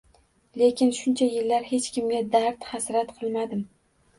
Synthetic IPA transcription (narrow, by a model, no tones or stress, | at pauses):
le̞kʲʰɪnʃʊnt͡ʃʰajɪlːaɾhe̞t͡ʃkʲʰɪmɡʲad̪aɾt̪hasɾat̪qʰɨlˠmad̪ɪm